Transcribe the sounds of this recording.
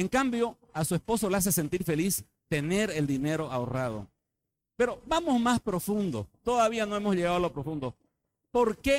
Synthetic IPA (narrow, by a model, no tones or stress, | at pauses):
eŋkambjo̞ | asuespo̞so̞leas̬e̞se̞nt̪iɾfe̞lis | t̪e̞ne̞ɾe̞ld̪ine̞ɾo̞ʔaorað̞o̰ | pe̞ɾo̞bamo̞zmaspɾo̞fund̪o̰t̪o̞ðaβiano̞emozʎe̞ɣaðalopɾofund̪o | po̞ɾke